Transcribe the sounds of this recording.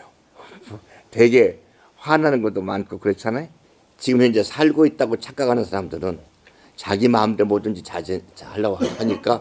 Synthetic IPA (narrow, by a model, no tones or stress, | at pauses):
twe̞ɡe̞ | ɸwanɦanɯnɡʌt͈omank͈ʰokɯɾet͡ɕʰanajo | t͡ɕiɡɯmçʰjʌnd͡ʑesʰaɭɡoit̚t͈aɡot͡ɕʰak͈aɡanɯnsʰaɾamdɯɾɯn | t͡ɕaɡimaɯmt͈emoduind͡ʑet͡ɕad͡ʑihaɭːaɡohaɲik͈a